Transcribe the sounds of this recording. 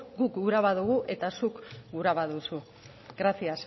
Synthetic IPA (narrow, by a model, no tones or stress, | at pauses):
ɡukɡuɾaβaðuɣ̞uʔe̞t̪asukɡuɾaβaðusu | ɡɾasias